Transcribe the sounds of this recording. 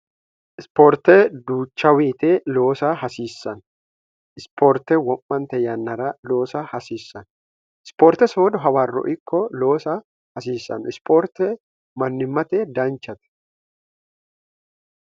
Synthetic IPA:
ʔɪspoːɾt̪ɛd̪uːt͡ʃːɐweːt̪eːlo̞ːsɐhɐsiːsːɐn | ʔɪspʰoːɾt̪ɛwɔmːɐnt̪ɛjɐnːɐɾɐlo̞ːsɐhɐsiːsːɐn | ɪspoːɾt̪ɛsoːd̪ɔɦɐwaːrːɔ̰ʔɪkːɔlo̞ːsɐ | hɐsiːsːɐ̰nʔɪspoːɾt̪ɛ | mɐnːɪmːɐt̪ɛd̪ɐnt͡ʃːɐt̪ɐ̥

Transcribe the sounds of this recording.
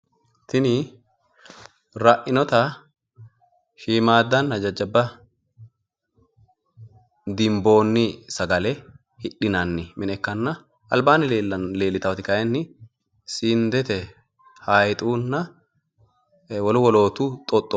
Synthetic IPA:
t̪ɪnɪ | ɾaʔɪnɔt̪a | ʃiːmaːd̪ːɐnːɐd͡ʒɐd͡ʒːɐbːɐ | d̪ɪmbo̞ːnːɪsɐɡɐlɛ | hɪᶑɪnɐnːɪmɪnɛkːɐnːɐ | ʔɐlbaːnːɪleːlːɪt̪ɐt̪ɪkɐʔɛnːɪ | siːnd̪ɛt̪ɛ | haːjt̪ʼuːnːɐ | wɐlʊwɔlo̞ːt̪uːt̪ʼɔt̪ʼːɔ

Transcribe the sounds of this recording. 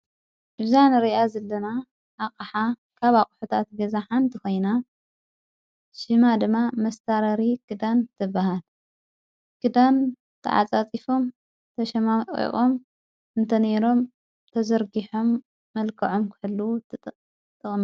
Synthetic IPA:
ʔɨzanɾiazɐlːɐna | ʔakʼɐħa | kʰaβakʼħut̪ʰat̪ɡɐzaħant̪ʰɨko̞jna | ʃɨmad̪ɨmːamɐst̪ʰaɾɐɾikʰɨd̪ant̪ʰɨbːaɦal | kʰɨd̪an | t̪ʰɐ̰ʕa̰t͡sʼat͡sʼifo̞m | t̪ʰɐʃɐmaḭχʼom | ɨnt̪ʰɐne̞ɾo̞m | t̪ʰɐzɐɾɡiħomː | ɐlkʰɐʕo̞mkʰɨħɨlːu | t̪ʼːɨχʼm

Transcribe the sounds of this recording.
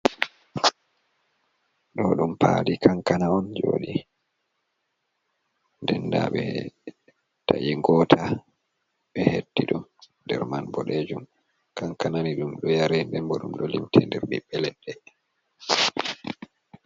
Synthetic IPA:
ɗɔɗumpʰalikʰaŋkanaɔnd͡ʒo̰ːɗi | ndɛnda̰ɓɛ̰ | ta̰ʔiɡɔtʰa | ɓɛhetːiɗun | dɛ̰ɾmanbɔɗed͡ʒum | kaŋkananiɗumɗɔjaɾɛndɛnbɔɗumɗɔlimtʰɛndɛɾɓɛɓɛlɛnɗɛ

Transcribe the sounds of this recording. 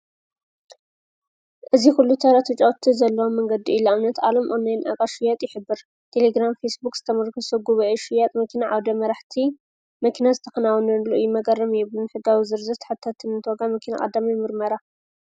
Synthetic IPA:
ʔɨzixulːut̪ʰɐɾat̪ʰɨt͡ʃʼɐwt̪ʰːizɐlːɐwomːɐŋɡɐd̪iʔːloamnɐt̪ʔa̰lomʔʼonːajnʔa̰kʼaʃɨjat̪ʼjɪħɨbːɨɾ | t̪ʰeleɡɾamfesbukʼz̥ɨ̥t̪ʰɐmɐɾkʰɨsoɡuβɐʔeʃɨjat̪ʼmɐkʰinaʕawd̪ɐmɐɾaħt̪ʰi | mɐkʰinazɨt̪ʰɐxɐnawnɐnluʔɨjimɐɡʼɐrːɐmjɛβlunħɨɡawizɨɾzɐt̪ʰħat̪ʰːat̪ʰːɨnɨnt̪ʰwoɡamɐkʰina̰kʼɐ̰d̪ːamijmɨɾmɐɾa

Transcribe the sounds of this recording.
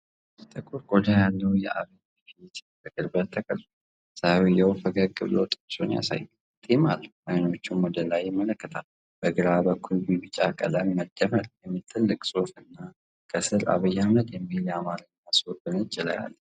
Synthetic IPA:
st̪ʼʰəkʰʼːuɾɡod̪ajalːəwjɛa̰βəj | ket̪bəkʼɨɾbəɾt̪ʰəkʼəlfu | sawijəwfəɡəɾkʼːɨβlot̪ʼɨkʼsonja̰sa̰jː | t̪ʰʼemalːəʔajno̞t͡ʃːunwɔd̪əlajɪmələkːət̪ʰal | b̥əɡɨɾabəkʰːulbibɨt͡ʃʼakʼə̰ləmməd̪̥əməɾjɛmːit̪ʰːɨlːɨkʼsʼo̞fɨnːa | kʼʰəsɨɾa̰βəjːamnət̪jɛmːiljamaɾɨnːasɔbɨnɨt͡ʃʼɪla̰ja̰lː

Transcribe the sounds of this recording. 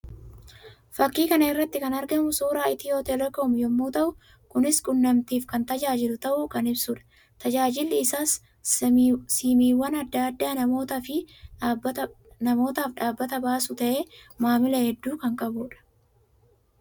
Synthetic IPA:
fɐkːiːkɐnɐɪrːɐt̪ːɪkɐnɐɾɡɐmʊsuːɾaːɪt̪ɪjoːt̪ɛlɛkoːmjɔmːoːt̪ɐʔʊ | kʊnɪskʼʊnːɐmt̪iːfkɐnt̪ɐd͡ʒaːd͡ʒɪlʊt̪ɐʔʊkɐnɪbsuːᶑɐ̥ | t̪ɐd͡ʒaːd͡ʒɪlːɪːsaːs | siːmiːwːɐnɐd̪ːaːd̪ːaːnɐmo̞ːt̪ɐfɪb | nɐmo̞ːt̪aːfᶑaːbːɐt̪ɐbaːsʊt̪ɐʔe̞ːmaːmɪlɐhɛd̪ːuːkɐŋkʼɐbuːᶑɐ̥

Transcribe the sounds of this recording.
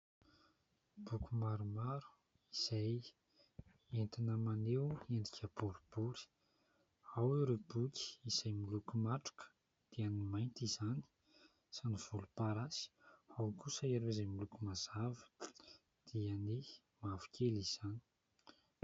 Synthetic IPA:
b̥ukʲumaɾumaɾu̥ | iz̥aj | ent̪inəmanewenɖ͡ʐ̪ikʰʲəb̥uɾub̥uɾi̥ | aweɾebukʲi̥iz̥ajmilukumaʈ͡ʂu̥kə̥ | d̪̥iənimajnt̪izani̥ | saniv̥ulupaɾasi̥awkusəeɾeizamilukumazavə̥ | d̪̥iəni | mavu̥kʲʰeliz̥ani̥

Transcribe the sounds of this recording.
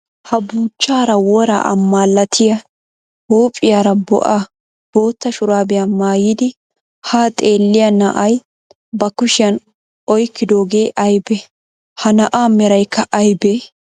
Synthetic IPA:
hɐbuːt͡ʃːaːɾɐwɔɾa̰ʔɐ̰mːaːlːɐt̪ʰɪjɐ | huːpʼɪjaːɾɐbɔ̰ʔaː | b̥o̞ːt̪ːɐʃʊɾaːbɪjɐmaːjiːd̪ɪ | haːt̪ʼe̞ːlːɪjɐnɐʔɐj | bɐkʊʃɪjɐn | ʔɔjkːɪd̪o̞ːɡe̞ːʔɐjbɛ | hɐnɐʔaːmɛɾɐjkːɐʔɐjbe

